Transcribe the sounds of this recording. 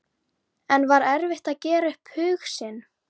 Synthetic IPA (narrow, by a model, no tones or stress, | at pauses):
ɛnvaɾɛɾvɪht̪aðcɛːɾaʏhphʏːxsɪn